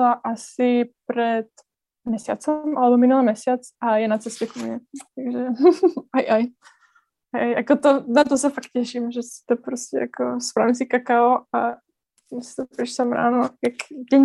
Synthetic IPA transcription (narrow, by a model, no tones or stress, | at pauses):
laʔasɪpɾɛt̪ | mɲɛsɪja̰t͡sɛmʔalɛbomɪnulɛːmɲɛsɪjat͡sʔajɛnat͡sɛscɛkomɲɛt̪aɡʒɛajʔaj | aajjakot̪onat̪osɛfakt̪̚cɛʃimʒɛsɪ̥t̪opɾoscʲɛ̰jakospɾaːvimsɪkakaoa | mɪst̪ɛpɾɪʃsɛmɾa̰ːnojakdɛɲ